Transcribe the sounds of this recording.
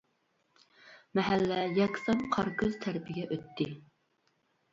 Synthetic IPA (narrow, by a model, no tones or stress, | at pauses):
mɛɦælːɛjɛkʲsɑmqʰɑɾkʰəz̥t̪ʰæɾpʰɪɡʲɛʔøt̪ʰːɪ